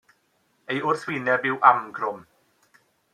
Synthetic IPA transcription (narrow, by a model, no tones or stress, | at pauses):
ejʊrθwɪːnɛbɪwʔamɡrʊm